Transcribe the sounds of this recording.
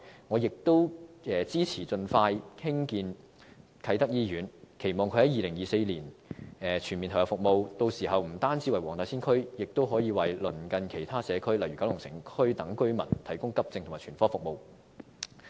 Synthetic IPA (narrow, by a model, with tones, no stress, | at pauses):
ŋɔː˨˧jɪ˨k̚t̪o˥wɛː˨˧t͡siː˥t͡sʰiː˨˩t͡sɵ˧nfaː˧jkʰɪ˥ŋkiː˧n | kʰɐ˨˥jt̪ɐ˥k̚jiː˥jyː˨˥nkʰe˨˩jmɔː˨˩ŋʰ˧hɐ˨˥jiː˨lɪ˨˩ŋjiː˨se˧jliː˨˩nɛ˨˧t͡ʃʰy˨˩nmiː˨˩t̪ʰɔ˨˩kːɛ˧˩fʊ˨k̚mo˨˧wt̪o˧wsiː˨˩hɐ˨wm̩˨˩t̪aː˥nt͡siː˨˥wɐ˨jwɔː˨˩ŋt̪aː˨˧˥siː˥nkʰɵ˥ɥjɪ˨k̚t̪o˥wɦɔː˨˥jiː˧wɐ˨jlɵ˨˩nkɐ˨nkʰe˨˩jt̪ʰaː˥sɛː˨˧kʰɵ˥ɥlɐ˨jɥy˨kɐ˨˥wjʊ˨ŋsɪ̰˨˩ŋkʰɵ˥ɥt̪ɐ˨˥ŋkɵ˥ɥmɐ̰˨˩nt̪ʰɐ˨˩jkʊ˥ŋkɐ˥p̚t͡sɪ˧ŋt̪ʰʊ˨˩maː˨˩t͡ʃʰyː˨˩nfɔː˥fʊ˨k̚mo˨˧w